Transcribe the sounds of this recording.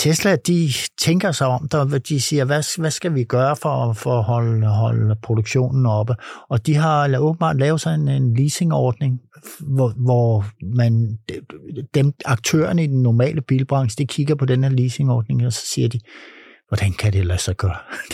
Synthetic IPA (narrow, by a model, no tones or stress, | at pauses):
t͡sʰesd̥læd̥it͡sʰeŋɡ̥ɐsɑ̈ɪɒ̽m̰d̥ɑd̥isiːɐʋæsʋæsɡ̥æʋiɡ̥ɶːɐfɒfɒhɒ̽lɦɒ̽lpʰʁod̥oɡ̥ɕo̝̰ːnn̩ɒ̽b̥əɒ̽d̥iɦɑ̈elɐo̽ːb̥əm̩bɑ̰̈ːd̥lɛːʊsɒ̽ne̝nenliːse̝ŋɒːd̥ne̝ŋ | ʋɒmæn | d̥emɑ̈ɡ̥̚t͡sʰø̰ːɐnəid̥enːɒmɛ̰ːləb̥ḭːlb̥ʁɑ̈ŋɕəd̥ikʰiɡ̥ɐpʰɒ̽d̥enheɐliːse̝ŋɒːd̥ne̝ŋɒsɒ̥̽siːɐd̥iʋɒd̥ænkʰæd̥elæsɑɡ̥ɶːɐ